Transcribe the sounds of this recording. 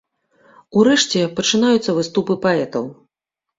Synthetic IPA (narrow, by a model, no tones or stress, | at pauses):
uɾɛʂt͡sʲɛpɐt͡ʂɨnajut̪sːɐvɨst̪upɨpaɛt̪ɐw